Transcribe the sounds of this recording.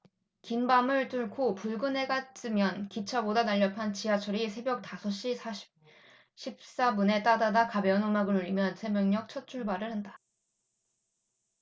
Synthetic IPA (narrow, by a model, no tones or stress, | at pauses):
kinbamɯɭt͈uɭkʰopuɭɡɯnɦe̞ɡats͈ʰɯmjʌnkit͡ɕʰabodanaʎːʌpʰant͡ɕiat͡ɕʰʌɾisʰe̞bjʌk̚tasʰʌɕ͈isa | ɕʰip̚s͈abune̞t͈adadakabjʌnomaɡɯɭoʎːimjʌnsʰe̞mjʌŋɲʌk̚t͡ɕʰʌt͡ɕʰuɭbaɾɯɭhanda